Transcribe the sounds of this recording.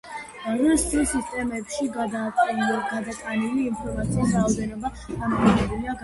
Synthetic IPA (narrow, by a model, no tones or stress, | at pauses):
aɾɛsisist̪ʼɛmɛpʃi | ɡ̥ad̪at̪ʼaniliːnpʰɔɾmat̪sʰiisɾaːvd̪ɛnɔba | damɔɔdɛbuliaɡa